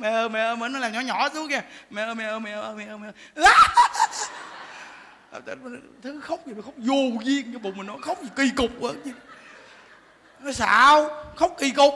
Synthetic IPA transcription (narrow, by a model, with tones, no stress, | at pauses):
mɛ˨˩ʔəː˧˩mɛ̰˧˨˩ʔəː˧mɛ˧˨˧nɔ˨˦laː˨˩mɲɔ˨˩˦ɲɔ˧˩˦su˨˦ək̚ŋa˧˩mɛ̰˨˩ʔəː˧˩mɛ˨ʔəː˧mɛ̰˨˩ʔəː˧˩ʔəː˧˩mɛ˨ʔəː˧˩mɛ˨ə˧˨˩laː˧˥ | a̰˨˩t̪a˧˨˩t̪ʰɨ˨˦xə˦˥wk͡p̚zi˨˩˨xə˦˥k͡p̚zu˨˩zi˧əŋa˧˨˧ɓo̰˨ŋ͡mmï˨˩ŋnɔ˨˦jxə˦˥wk͡p̚i˨˩ki˧kʊ˨˩k͡p̚və̰˨˦nt͡ɕi˧ | nɔ˨˦sa̰ː˧˨˧wxə˦˥wk͡p̚ki˧kʊ˨˩k͡p̚